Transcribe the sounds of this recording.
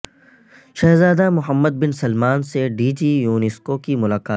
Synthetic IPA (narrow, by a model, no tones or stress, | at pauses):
ʃɛːzaːd̪amʊɦəmːəd̪̚bɪnsɐlmaːnseɖiːd͡ʒiːjuːnɪskokimʊlaːkaːt̪